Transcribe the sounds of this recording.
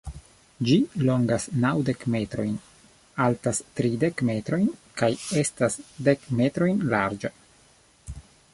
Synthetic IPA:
d͡ʒilo̞ŋɡasnawde̞kme̞tɾo̞jn | altastɾide̞kme̞tɾo̞jnkaje̞stasde̞kme̞tɾo̞jnlaɾd͡ʒa

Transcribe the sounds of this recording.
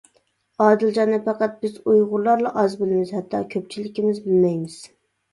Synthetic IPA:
ɑːd̪ɨld͡ʒɑnɨpʰɑqɑt̪̚bɪzujʁʊɾlˠɑɾlˠɑʔɑzbɪlɪmɪz̥hæt̪ʰːɑkʲʰøp̚t͡ʃʰilɪkʲimɪzbɪlmɛjmɪz̥

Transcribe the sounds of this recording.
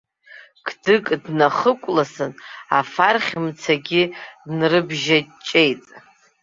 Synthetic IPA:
kʰdɨkʼdnaχəkʷʼlasɨnafarχʲmt͡sʰaɡʲidnrɨbʒat͡ʃʼe̞jtʼ

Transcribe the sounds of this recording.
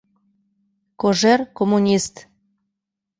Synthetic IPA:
koʒerkomunʲist̪

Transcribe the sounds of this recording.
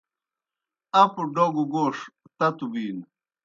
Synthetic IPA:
ɐpuɖoɡuɡoːʂ | t̪ɐt̪ubiːn

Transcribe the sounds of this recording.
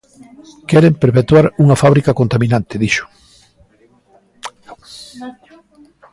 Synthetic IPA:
kɛɾempeɾpet̪waɾuŋafaβɾikakont̪amĩnant̪eðiʃʊ̥

